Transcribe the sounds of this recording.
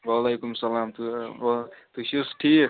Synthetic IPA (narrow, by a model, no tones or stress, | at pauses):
wɐlejkumsɐlaːmt̪u | t̪uɕusʈʰi